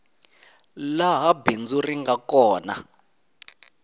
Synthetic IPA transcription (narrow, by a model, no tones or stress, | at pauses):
laɦabind͡zuriŋɡakɔːna̰